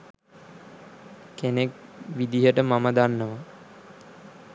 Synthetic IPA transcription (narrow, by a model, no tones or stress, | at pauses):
kenekʋid̪iɦəʈəmaməd̪anːəʋa